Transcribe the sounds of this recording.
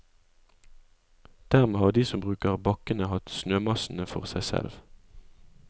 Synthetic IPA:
d̪̥æːʁmeːhɑːd̪iːsɔmbʁʉːkəʁbɑkənəhɑt̪snøːmɑsn̩əfɔ̰ʁsæɪsɛ̰lʋ

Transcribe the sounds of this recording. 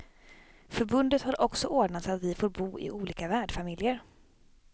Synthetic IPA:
fœɾbɵnd̪ət̪haɾʔɔksɔʔoːɖɳat̪sat̪vɪfoːɾbuːɪ̰ʔuːliːkavæːɖfamɪljəɾ

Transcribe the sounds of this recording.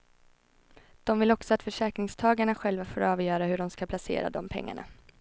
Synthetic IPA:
d̪̥ɔmvɪlɔksɔat̪fœʂɛːkɾɪŋst̪ʰɑːɡaɳaɧɛlvafoːɾɑːvjœːɾahɵɖɔmskapʰlasḛːɾa̰d̪ɔmpʰɛ̰ŋːa̰ɳa̰

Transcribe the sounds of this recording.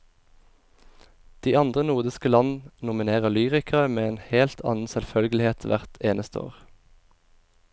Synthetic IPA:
d̪̥iːɑnd̪ʁənuːʁd̪ɪskəlɑnn̩nʊmɪneːʁəlyːʁɪkʰɑəmeːeːnheːlt̪ʰɑ̰ːnn̩sɛlfœlɡəlɪheːt̪ʰʋæ̰ʁt̪eːnəst̪əo̰ːʁ

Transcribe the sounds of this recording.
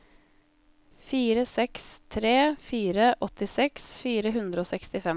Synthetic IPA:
fiːɾəsɛkst̪ʰɾeːfiːɾəʔɔt̪ɪsɛksfiːɾəɦʉnd̪ɾəoːsɛkst̪ɪfɛ

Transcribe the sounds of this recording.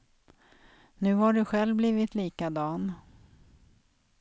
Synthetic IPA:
nʉ̟ːhaɖɵɧɛlvbliːvɪt̪liːkad̪ɑːn

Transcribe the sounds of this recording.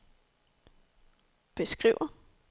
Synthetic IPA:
b̥e̝sɡ̥ʁḭːʊ̰ɐ

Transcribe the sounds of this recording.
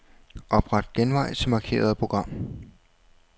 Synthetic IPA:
ʔɒ̽b̥ʁɑ̈d̥ɡ̥enʋɑ̈ɪt͡sʰe̝mɑ̈kʰe̝̰ːɐð̞̩ˠpʰʁo̝ɡ̥ʁɑ̈m̰

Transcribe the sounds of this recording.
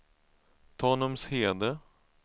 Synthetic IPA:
t̪ʰɔːnɔmsheːd̪ə

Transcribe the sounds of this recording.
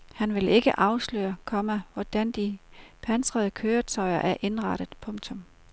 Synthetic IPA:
hænʋe̝le̝ɡ̥əʔɑ̈ʊslø̰ːɐkʰɒ̽məʋɒd̥ænd̥ipʰænsʁɐð̞ˠəkʰøːɐt͡sʰɒɪɐʔæɐʔe̝nʁɑ̈ɾ̥əð̩ˠpʰɔ̽ŋt͡sʰɔ̽m

